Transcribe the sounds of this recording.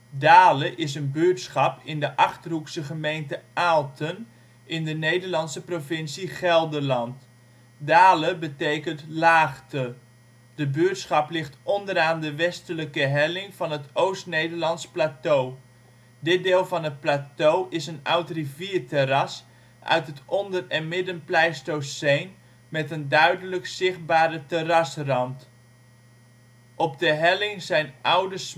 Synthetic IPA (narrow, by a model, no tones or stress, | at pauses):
daːləʔɪs̬ənbøːtsχɑpɪndəʔɑχtəruksəχəmejntəaːlˠtʰən | ɪndənejdəɹlɑnsəprovɪnsiχɛlˠdəlɑnt | daːləbətejkəntlaːχtə | dəbøətsχɑplɪχtɔndəɾaːndəʋɛstələkəɦɛlɪŋv̥ɑnɦətowstnejdəɹlɑnsplaːtow | dɪt̚dɪːlˠvɑnɦət̚plaːtowʔɪsənʌwtriviːɹterɑs | ʔœ̰ɥtɦətʔɔndərɛnmɪdənplɛjstowsejn | mɛtəndœɥdələksɪχt̚baːɾətərɑsrɑmt | ʔɔp̚dəɦɛlɪŋzɛjnʔʌwdəs